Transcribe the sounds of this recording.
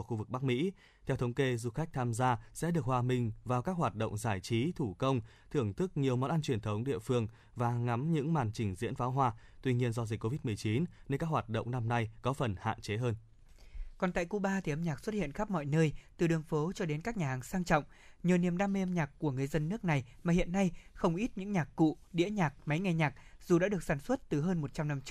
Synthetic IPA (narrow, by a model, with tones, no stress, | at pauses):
xu˧vɨ˨˩k̚ɓa˦˥k̚mḭ˧˥ | t̪ʰɛ˧wt̪ʰə˨˦wŋ͡mke˧zu˧xa˦˥jk̚t̪ʰaː˧mzaː˧sɛ̰˧˥ɗɨ˨˩ək̚hwaː˧mï˧ŋ̟vaː˨˩wkaː˦˥k̚hwaː˨˩t̚ɗo̰˧˨wŋ͡mzaː˧˩jt͡ɕi˨˦t̪ʰu˧˩kə˧wŋ͡mt̪ʰɨ˧˩əŋt̪ʰɨ˦˥k̚ɲi˨˩əwmɔ̰˧˨nʔa˧nt͡ɕwi˧˩ənt̪ʰə˨˦wŋ͡mɗḭ˧˨əfɨ˧əŋ | vaː˨˩ŋa˨˦mɲɨ̰˧˥ŋma̰ː˨˩nt͡ɕï˧˩ŋ̟zḭ˧˥ənfaː˨˦wɦwaː˧t̪wi˧ɲi˧ənzɔ˧zi˨˩k̟kːo˧vi˦˥t̚mɨ˨˩əjt͡ɕi˨˦nne˧nkaː˦˥k̚hwaː˨˩t̚ɗo̰˧˨wŋ͡mna˧mna˧jkɔ˨˦fə˨˩nha̰ː˧˨nt͡ɕe˨˦ɦəː˧n | kɔ˨˩nt̪a̰ː˧˨jku˧ɓaː˧t̪ʰi˨˩ʔə˧mɲaː˨˩k̚swə˦˥t̚hḭ˧˨ənxa˦˥p̚mɔ̰˧˨jnəː˧jt̪ɨ˨˩ɗɨ˨˩əŋfo˨˦t͡ɕɔ˧ɗe˨˦nkaː˦˥k̚ɲaː˨˩ɦaː˨˩ŋsaː˧ŋt͡ɕɔ̰˧˨wŋ͡m | ɲəː˨˩ni˨˩əmɗaː˧me˧ʔə˧mɲaː˨˩kkːu˧˩əŋɨ˨˩əjzə˧nːɨ˦˥ək̚na˨˩jmaː˨˩hḭ˧˨ənːa˧jxə˧wŋ͡mʔi˦˥t̚ɲɨ̰˧˥ŋɲaː˨˩kːṵ˧˨ | ɗḭ˧˥əɲaː˨˩k̚ma˨˦jŋa˧˩jɲaː˨˩k̚z̥u˨˩ɗa̰ː˧˥ɗɨ˨˩ək̚saː˧˩nswə˦˥t̚t̪ɨ˨˩ɦəː˧nmo˨˩t̚t͡ɕa˧mna˧mt͡ɕ̚